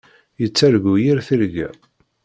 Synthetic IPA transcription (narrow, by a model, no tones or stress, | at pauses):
jət͡sːæɾɡujiɾθəɾɡæ̰